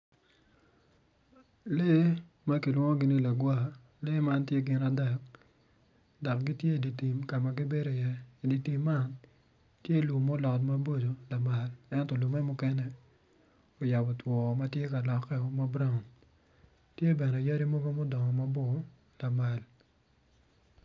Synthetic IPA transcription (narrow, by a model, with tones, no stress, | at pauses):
le˦ | ma˦ki˨lwɔ˦ŋɔ˦ɡɪ˦ni˦la˨ɡwa˦˨ | le˦ma˦ntje˦ɡɪ˨na˨dɛ˦˨k̚ | dɔ˨kɡi˦tje˦˨di˨ti˨mka˨ma˨ɡɪ˦be˦ɾo˨ɪ˨jɛ˦i˨di˨ti˨mːa˦n | tje˦lu˨mo˦lɔ˨tma˦bo˦d͡ʒo˨la˨ma˨lɛ˦ntɔ˨lu˨mɛ˦mʊ˦kɛ˦nɛ˨ | o˨ja˨bɔ˨twɔ˨ma˦tje˦ka˨lɔ˨kɛ˦o˨ma˦bɾa˦˨n | tje˦bɛ˨nɛ˨ja˦ɾi˦mo˦ɡo˦mo˦dɔ˨ŋɔ˨ma˦bo˦ | la˨ma˨l